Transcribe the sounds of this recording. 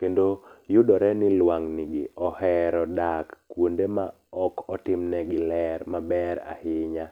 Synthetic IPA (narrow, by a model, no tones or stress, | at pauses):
kendojʊdɔɾɛnɪlwaŋnɪɡɪ̰ɔhɛɾɔdakːwondema | ɔkʰɔtɪmnɛɡɪlɛɾmabɛɾa̰hɪɲa